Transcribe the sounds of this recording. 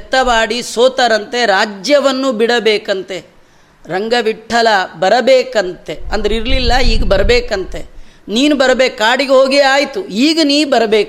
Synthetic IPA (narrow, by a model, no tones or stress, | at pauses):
ɛt̪ːɐʋaːɽisoːt̪ɐɾɐnt̪e̞ɾaːd͡ʒjɐʋɐnːubiɽɐbeːkɐnt̪e̞ | ɾɐŋɡɐʋiʈʰːɐlɐbɐɾɐbeːkɐnt̪e̞ɐnd̪ɐɾiɾlilːɐiːɡɐbɐɾɐbeːkɐnt̪e̞niːnubɐɾɐbeːkːaːɽiɡeɦoːɡeaːjt̪uiːɡɐniːbɐɾɐbeːku